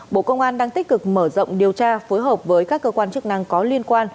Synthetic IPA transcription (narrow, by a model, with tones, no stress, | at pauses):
ɓo̰˧˨kə˧wŋ͡mʔaː˧nɗaː˧ŋt̪ï˦˥k̟̚kɨ˨˩k̚məː˧˩zə̰˧˨wŋ͡mɗi˨˩əwt͡ɕaː˧fo˨˦jɦəː˨˩p̚vəː˨˦jkaː˦˥kːəː˧kwaː˧nt͡ɕɨ˦˥ək̚na˧ŋkɔ˨˦li˧ənkwaː˧n